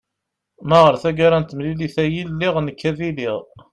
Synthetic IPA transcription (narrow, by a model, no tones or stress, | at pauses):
mæʁəɾθæɡaɾænt̪mliliθæjilːiʁnəkːæðiliʁ